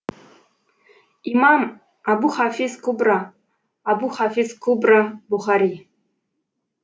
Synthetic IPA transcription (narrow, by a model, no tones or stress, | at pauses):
imam | abuχafizkʰubra | abuχafizkʰubrabuχaɾi